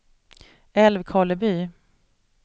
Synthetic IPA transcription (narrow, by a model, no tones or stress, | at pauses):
ɛlvkʰɑːləbyː